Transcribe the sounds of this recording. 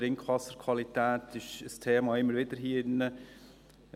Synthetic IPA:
ɾɪŋkʰʋɑsəɾkʰwɑlitæːtɪʃəstʰeːmɑːɪmːəɾʋɪdəɾɦiːɪnːə

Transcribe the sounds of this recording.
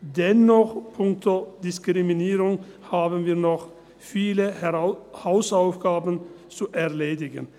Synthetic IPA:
d̪ɛnːɔχpʰʊŋk̚t̪od̪ɪskɾɪmɪniːɾʊŋ | haːbənviːɾnɔχ | fiːlə | haʊsaʊfɡ̥aːbən | t͡suʔɛʁleːd̪ɪɡə̰n

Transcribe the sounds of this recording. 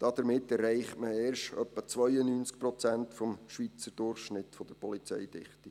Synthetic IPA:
d̥ɑd̪̥əɾmɪtːɛrːɛɪχtməeːrʃtœpːət͡sʋœjənyːnt͡sk̚pɾɔt͡sæntfɔmʃʋit͡səɾd̥ʊrχʃnɪtfɔd̥əɾpɔlit͡sɛ̰jd̥ɪ̰χti

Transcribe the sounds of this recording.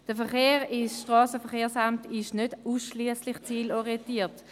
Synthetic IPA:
d̥əfɛχeːʁɪsʃtʁɑːsəfəχeːʁsamtɪʃnød̥uːsʃliəslɪχt͡siːlɔʁientiːɐt

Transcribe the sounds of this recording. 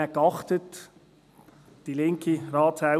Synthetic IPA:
ɛkɑχt̪ət | d̥ilɪŋkʰiɾɑːtsa

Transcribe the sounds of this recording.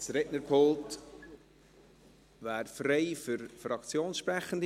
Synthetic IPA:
sɾɛtnəɾpʰolt | væːɾfreɪfʏɾfɾɑkt͡sjoːnsʃpɾæχən̩d

